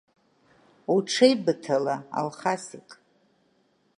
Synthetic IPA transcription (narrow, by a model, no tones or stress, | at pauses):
uʈ͡ʂʰejbɨtʰalaa̰lχasiqʼ